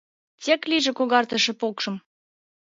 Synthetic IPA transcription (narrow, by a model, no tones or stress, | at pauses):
t͡sekliʒĕkoɣɑrt̪ə̆ʃĕpokʃɤ̆m